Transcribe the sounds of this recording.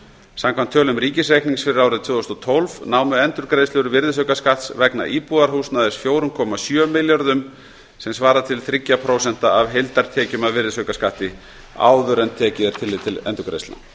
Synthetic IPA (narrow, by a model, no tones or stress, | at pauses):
samkʰvant̪ʰːœːlʏmɾiːcɪsrejkniŋsfɪɾɪɾaːwɾɪðt̪ʰvʏːðɔst̪ɔt̪ʰɔlvnaːwmʏɛnt̪ʏɾkɾesɛɾʏvɪɾðɪs̬œɥkaskaht̪svɛkna̰ʔiːpuðaɾ̥huːsnaðɪsfjoːwɾʏmkʰɔːmasjœːmɪljaɾðʏm | sɛmsvaːɾat̪ʰɪlθɾɪcːapʰɾoːwsɛn̥t̪aavɦejlt̪aɾ̥t̪ʰɛːcʏmaðvɪɾðɪsœɥkaskaht̪ɪ | a̰ːwðʏɾɛnt̪ʰːɛːcɪðɛɾ̥t̪ʰɪlːɪːt̪ʰːɪlɛ̰nt̪ʏɾkɾḛjst̪la̰